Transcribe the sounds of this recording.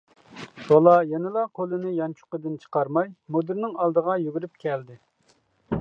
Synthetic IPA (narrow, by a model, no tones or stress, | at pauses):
ʃɑlˠɑjɛnɨlˠɑqʰolˠɨnɪjɑnt͡ʃʰu̥qəd̪ɪnt͡ʃʰə̥qɑɾmɑjmod̪ɨɾnɪŋɑlˠd̪əʁɑjyɡʲyɾypkʲʰɛld̪ɪ